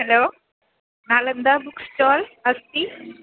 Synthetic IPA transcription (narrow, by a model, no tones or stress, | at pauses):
heloː | naːlɐnd̪aːbuksʈaːlɐst̪i